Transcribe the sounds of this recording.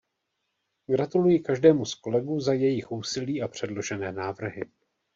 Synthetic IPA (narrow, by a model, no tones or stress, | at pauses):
ɡɾat̪ulujɪkaʒdɛːmusko̞lɛɡuːzajɛjɪxʔuːsɪliːʔapr̝̥ɛdlo̞ʒɛnɛːnaːvr̩ɦɪ